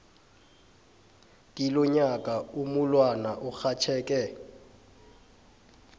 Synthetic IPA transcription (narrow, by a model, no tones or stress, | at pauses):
dʼilɔɲakʼaumʊlwanaʔʊk͡xat͡ʃʰɛːkʼɛ